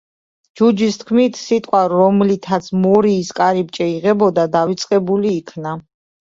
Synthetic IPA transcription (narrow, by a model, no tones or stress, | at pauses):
d͡ʒud͡ʒist̪ʰkʰmit̪ʰsit̪ʼqʼwaɔmlit̪ʰat̪sʰmɔɾiːskʼaɾip̚t͡ʃʼɛiʁɛbɔd̪ad̪avit̪sʼqʼɛbuliːkʰna